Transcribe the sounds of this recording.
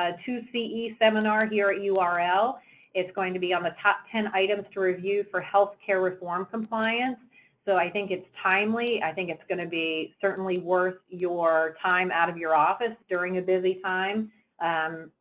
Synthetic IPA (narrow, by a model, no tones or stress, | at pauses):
tʰʉsiʔisɛmənɑɹɦiɹɨtjuɑɹɛlˠ | ɪtsɡ̥oʊɪ̃ŋtʰɨbiə̃nðɨtʰɑp̚tʰɛ̃naɪɾɨ̃mz̥tʰəɹɨvjʉfə˞hɛlˠθkʰɛɹɹɨfɔɹmkʰə̃m̩pʰl̥aɪɨ̃nsː | oʊaɪθɪ̃ŋkɨtstʰãɪ̃mliaɪθɪ̃ŋkɨtsɡ̥ʌñɨbisɜ˞ʔn̩liwɜ˞θjə˞tʰãɪ̃maʊɾʌvjə˞ɔfɨsd̥ʊɹɪ̃ŋɨbɪzitʰãɪ̃m